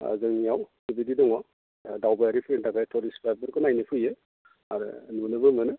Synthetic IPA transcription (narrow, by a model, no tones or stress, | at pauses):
a̰zɯŋijawsibididɔŋwa | dawbaaɾipʰɾentakajtʰɔlispʰajbɯɾkʰɯnajnipʰɯjɯ | aɾɯ̰nunɯbɯmɯnɯ